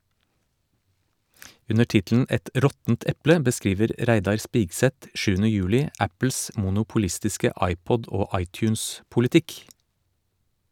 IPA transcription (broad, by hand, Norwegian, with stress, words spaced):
ˈʉnə ˈʈɪtln̩ ˈɛt ˈʔɾɔtn̩t ˈɛplə bəˈskɾiːʋəɾ ˈʔɾæɪdɑɾ ˈspiːɡsɛt ˈʃʉːn̩ə ˈjʉːlɪ ˈæpl̩s mʊnʊpʊˈlɪstɪskə ˈʔɑɪˌpɔd ˈoː ˈʔɑɪˌtjʉːnspʊlɪˌtɪk